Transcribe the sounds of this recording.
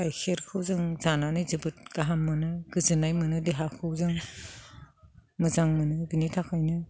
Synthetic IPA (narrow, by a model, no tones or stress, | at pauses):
ajkʰeɾkʰɯwzɯŋzananɯjzibɯt̚ɡaɦamːɯnɯɡ̥ɯzɯnajmɯnɯdeɦakʰɯwzɯŋ | mɯzaŋmɯnɯbinitʰakʰajnɯ